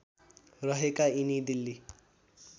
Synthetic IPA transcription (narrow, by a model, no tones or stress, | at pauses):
rʌɦekainid̪ilːi